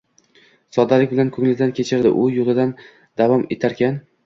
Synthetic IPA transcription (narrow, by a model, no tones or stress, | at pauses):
sɒd̪alɪk̚ʲbɪlankʰɵŋlɪd̪ankʲʰe̞t͡ʃʰɪɾd̪ɪ̰ʔʊjolˠɪd̪an | d̪̥avɒme̞t̪ʰaɾkʲan